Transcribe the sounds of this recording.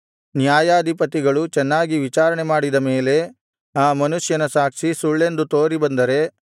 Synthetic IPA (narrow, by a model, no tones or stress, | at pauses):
njaːjaːɐd̪ʱipɐt̪iɡɐɭut͡ʃɛnːaːɡiʋit͡ʃaːɾɐɳemaːɽid̪ɐme̞ːle̞ | aːmɐnuʂjɐnɐsaːkʂisuɭːe̞nd̪ut̪oːɾibɐnd̪ɐɾe̞